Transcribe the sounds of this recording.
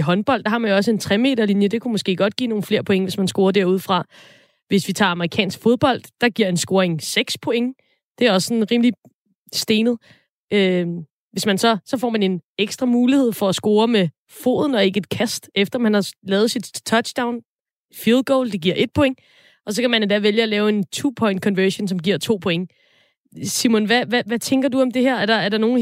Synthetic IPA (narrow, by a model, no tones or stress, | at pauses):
ɦɒ̽nb̥ɒ̽l̰d̥ɑ̈hɑ̈mænjoɒ̽s̬əe̝nt͡sʰʁɛme̝̰ːdɐlinjəd̥e̝kʰumɔ̽sɡ̥e̝̰ːɡ̥ɒ̽d̥ɡ̥ḭːno̝ːn̩fle̝ɐ̰pʰo̽eŋəʋe̝smænsɡ̥o̝ːɐd̥æɐ̰uð̞ˠfʁɑ̈ | ʋe̝sʋit͡sʰɑ̰̈ːɑ̈məʁikʰɛ̰ːnsɡ̥fo̝ð̞ˠb̥ɒ̽l̰d̥ːɑ̈ɡ̥iɐe̝nsɡ̥o̝ːɐeŋseɡ̥spʰoe̝ŋ | d̥e̝æɐɒ̽sə̥sɒ̽nʁiːmli | sd̥e̝ːnð̩ˠ | ø | ʋe̝smænsɒ̽sɒ̽fɒ̰mæne̝neɡ̥sd̥ʁɐmuːlihe̝ð̞̰ˠfɒ̽æsɡ̥o̝ːɐme | fo̝̰ːðˠn̩ɒ̽e̝ɡ̥əe̝d̥̚kʰæsd̥ʔefd̥ɐmænhɑ̈lɛːð̞̩ˠsid̥t͡sʰɒ̥̽ɕd̥äʊ̰n | filˠɡ̥ɔʊld̥e̝ɡ̥iɐ̰e̝d̥̚pʰo̽e̝ŋ | ʔɒ̽s̬ɒ̽kʰæmæne̝nd̥æʋeljəɒlɛːʊe̝nt͡sʰupʰɒ̽ɪnd̥̚kʰɒ̽nʋøɕonsɒ̽mɡ̥iɐ̰t͡sʰo̝̰ːpʰo̽eŋə | simonʋæʋæʋæt͡sʰeŋɡ̥ɐduɒ̽md̥e̝heɐ̰æɐɾ̥ɑ̈æɐɾɑ̈no̝ːn